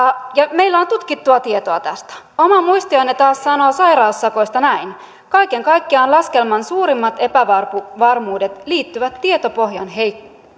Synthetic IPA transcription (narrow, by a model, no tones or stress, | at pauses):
jɑme̞ilːæont̪ut̪kit̪ːuɑt̪ie̞t̪oɑt̪æst̪æ̥ | omɑmuist̪ionet̪ɑːssɑnoːsɑjɾɑusːɑko̞jst̪ɑnæin | kɑike̞ŋkɑikːiɑnlɑske̞lmɑnsuːɾimːɑt̪e̞pæʋɑrpuʋɑrmuːdet̪liːt̪ːyʋæt̪ːie̞t̪opoɦjɑnɦe̞jkːo̥